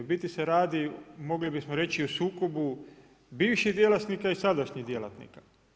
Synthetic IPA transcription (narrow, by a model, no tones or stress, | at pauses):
bit̪iseɾaːd̪imo̞ɡlibismoɾe̞t͡ɕiosuːko̞bu | biːʋʃiɦd̪jelat̪nikaisad̪aʃɲiɦd̪jelat̪nḭkḁ